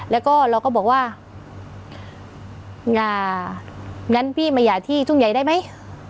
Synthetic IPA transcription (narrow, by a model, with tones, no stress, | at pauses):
lɛː˦˥wkɔː˥˩ɾa˧wkɔː˥˩bɔː˨˩k̚waː˧˩ | ŋʔaː˨˩ | ŋa˧˥˨npʰiː˥˩ma˧˩jaː˨˩t̪ʰiː˥˩t͡ɕu˧˥˩ŋja˨˩jda˥˩˨jma˦˥˨j